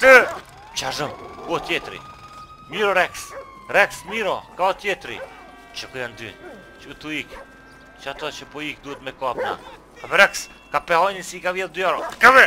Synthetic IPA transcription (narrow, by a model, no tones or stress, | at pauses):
t̪ə | t͡ʃaʒəmkuɔt̪jɛt̪ɾḭ | miɾɔɾɛks | ɾɛksmiɾɔkaɔt̪jɛt̪ɾḭ | t͡ʃəkɔjand̪y̰ | t͡ʃut̪uik | t͡ʃat̪ɔt͡ʃəpɔik̚d̪uət̪mɛkɔapna̰ | kabɛɾɛks | kapɛhɔjnisikavjɛld̪yaɾɔkaβɛ